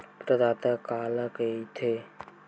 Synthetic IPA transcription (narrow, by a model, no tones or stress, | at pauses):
pɾəd̪aːt̪əkaːləkəit̪ʰe